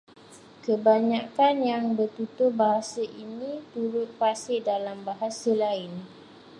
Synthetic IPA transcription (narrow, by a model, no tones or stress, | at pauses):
kəbaɲakanjaŋbərt̪ut̪ʊhbaɦasəʔinĩt̪uɾʊt̪̚pasɪdalambaɦasəlaɪn